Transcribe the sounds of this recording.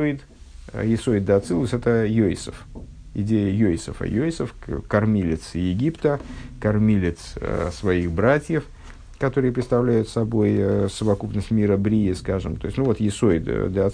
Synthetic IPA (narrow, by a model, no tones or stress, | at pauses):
ɪt̪ | jɪsoɪd̪̚d̪ɐːt̪sɨlˠʊsʲɛt̪əjojsəf | ɪ̰dʲejəjojsəfə̰jojsəfkɐrmʲilʲɪt̪sjɪɡʲipt̪əkɐrmʲilʲɪt̪ssvɐixbɾatʲjəf | kɐt̪o̞ɾɨjəpɾʲɪt̪st̪ɐvlʲæjʊt̪sɐbo̞jəsəvɐkupnəsʲtʲmʲiɾəbɾʲiɪskaʐɨmt̪o̞jɪsʲnuvo̞t̪jɪsoɪd̪d̪əɐ